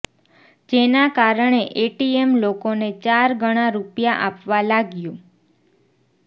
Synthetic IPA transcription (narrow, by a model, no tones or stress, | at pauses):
d͡ʒenakaɾɳeʔeʈiemlokonet͡ʃaɾɡʱəɽ̃aɾupjaʔapʋalaɡjũ